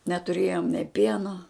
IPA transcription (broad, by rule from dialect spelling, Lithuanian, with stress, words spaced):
nʲɛtʊˈrʲeːjoːm nʲeː ˈpʲiɛnoː